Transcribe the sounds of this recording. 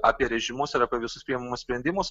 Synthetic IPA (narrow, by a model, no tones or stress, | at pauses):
ɑːpʲiɛɾʲɛʒʲɪmʊsɪɾɑːpʲiɛʋʲɪsʊspʲɾʲiːɛmɐmʊssʲpʲɾʲɛnʲd̪ʲɪmʊs